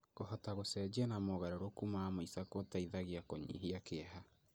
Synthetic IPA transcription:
ɣohɔtaɣosɛd͡ʑɛnamɔɣaɾeɾokumamoisakotaiðaɣiakɔɲḭɦiakeɦa

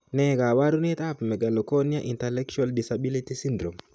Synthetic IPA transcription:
nɛkawaɾunit̪apmɛɡalɔkɔniaʔintɛlɛk̚t͡ʃualdisabilitisindɾɔm

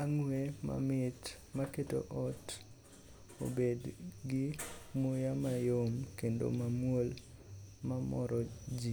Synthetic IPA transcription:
aŋwema̰mɪt | maketo̰ʔɔt | o̰bedɡɪmojamajomkendo̰mamwol | mamɔɾʔɔd͡ʒi

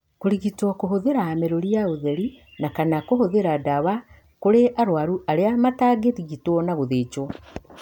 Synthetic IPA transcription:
koɾiɣitwɔkoɦoðeɾaːmeɾoɾiaoðeɾi | nakanakohoðeɾadawa | koɾeʔaɾwaɾuaɾeamataːɡetiɣitwɔnaɣoðeːt͡ʃwɔ

